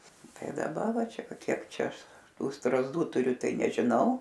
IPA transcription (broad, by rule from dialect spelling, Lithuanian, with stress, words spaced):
ˈtɐɪ dɐˈbɐ ˈʋɐ ˈt͡ʃʲɛ ˈʋɐ ˈkʲiɛk ˈt͡ʃʲɛ ˈɐʃ ˈtuː strɐzˈduː tʊˈrʲʊ ˈtɐɪ nʲɛʒʲɪˈnɐʊ